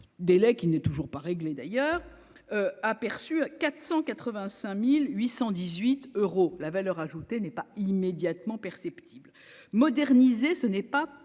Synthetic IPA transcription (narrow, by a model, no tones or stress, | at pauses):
d̪elɛkʲinɛt̪uʒuʁpaʁeɡled̪ajœːʁ | øapɛʁsykat̪χsɑ̃kat̪χəvɛ̃sɛ̃milɥisɑ̃d̪izɥit̪øʁolavalœʁaʒut̪enɛpaimed̪jat̪mɑ̃pɛʁsɛpt̪ʰibl | mɔd̪ɛʁnizesənɛpa